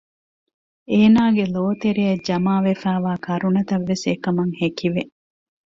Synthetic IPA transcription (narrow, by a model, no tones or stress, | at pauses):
eːnaːɡeloːt̪eɾijɐd͡ʒɐmaːʋefæːʋaːkʰɐɾunɐt̪ɐʋːesekɐmɐŋhekiʋe